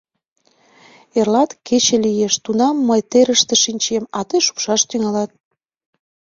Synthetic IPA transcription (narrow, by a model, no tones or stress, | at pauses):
erlɑt̪ket͡ɕĕlijeʃt̪unɑmːəjt̪eɾəʃt̪ĕʃinʲt͡ɕemɑt̪eʃu̥pʃɑʃt̪yŋɑlɑt̪̚